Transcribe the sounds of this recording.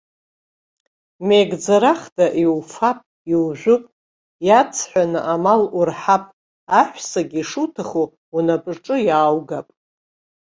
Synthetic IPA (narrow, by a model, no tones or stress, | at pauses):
meɡd͡zaɾaχdaʔiwfapʼ | iwʒᶣʷʊpʼ | jat͡sʰħʷᶣanɨʔamalurħapʼ | aħʷsaɡʲiʂutʰaχu | unapʼrʈ͡ʂʼɨjaːwɡapʼ